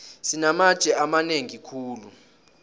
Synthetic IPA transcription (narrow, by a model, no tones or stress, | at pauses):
sinamad̥ʒ̥ʱɛamaneŋikʰuːlu